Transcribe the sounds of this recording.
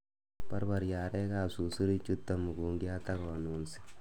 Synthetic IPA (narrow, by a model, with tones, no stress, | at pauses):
pɐ˦ɾba˨ɾjaː˨ɾɛ˦kaː˦su˨su˦ɾi˦t͡ʃːu˦t̪ːa˦mu˨kuː˨ŋɡi˦a˦t̪a˦ko˨nu˨nsi̥˦